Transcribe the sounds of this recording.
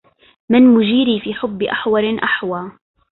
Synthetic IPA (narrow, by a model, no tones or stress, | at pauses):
mɪnmʊd͡ʒiːɾiːfiːħʊbːɪʔaħwɑɾʔaħwaː